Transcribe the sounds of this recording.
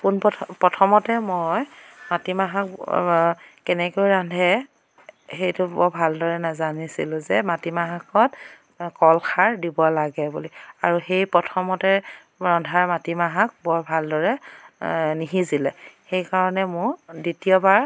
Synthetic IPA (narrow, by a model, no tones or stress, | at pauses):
kunppɔtʰɔmɔtɛmɔjmatimaɦak̚ | kɛnɛkojɹandʱɛ | xejtʊbɔbʱaldɔɹɛnazanisḭlʊ̃zɛmatimaɦakɔt | kɔlxʰaɹdibɔlaɡɛbuliaɹuxejpɔtʰɔmɔtɛ | ɹɔndʱaɹmatimaɦak̚bɔbʱaldɔɹɛ | niɦizilɛxejkaɹɔnɛmʊɹditiɔbaɹ